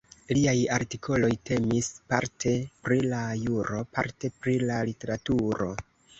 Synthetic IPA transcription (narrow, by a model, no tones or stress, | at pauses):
liajaɾtikʰo̞lo̞jte̞mispa̰ɾtʰe̞pɾilajuɾo̞pa̰ɾte̞pɾilalite̞ɾatuɾo̞̰